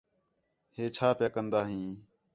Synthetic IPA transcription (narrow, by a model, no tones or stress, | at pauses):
heːt͡ʃʰaːpjaːkənd̪aːɦĩː